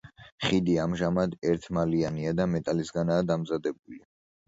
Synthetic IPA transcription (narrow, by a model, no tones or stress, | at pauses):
χid̪iamʒamad̪ɛɾt̪ʰmalianiad̪amɛt̪ʼalisɡanaːd̪amzad̪ɛbuli